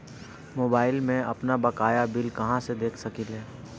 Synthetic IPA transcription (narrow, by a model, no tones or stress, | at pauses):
moːbaːɪlmẽɐpnabɐkaːjabɪlkɐɦãsed̪eːkʰsɐkilɦɛː